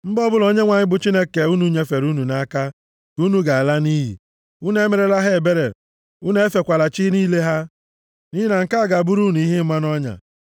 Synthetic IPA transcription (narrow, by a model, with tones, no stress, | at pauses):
m̩˦bɔ˦bʊ˦lo˦ɲe˦ŋʷa˨ɲɪ˦bʊ˨t͡ʃi˦ne˦ke˨u˦nu˦ɲe˦fe˨ɾu˦nu˨na˦ka˦ | ku˦nu˦ɡa˨a˨la˦ni˦ɦḭ˨ | u˦n˦e˦me˨ɾe˦la˦ɦe˦e˨be˦ɾḛ˨ | u˦n˦e˦fe˨kʷa˨la˨t͡ʃi˦niː˦le˦ɦa˦ | ni˦ɦi˦na˨ŋ̩˨ka˦a˨ɡa˨bu˦ɾu˦nu˨i˦ɦi˦m̩˦ma˦nɔ˦ɲa̰˨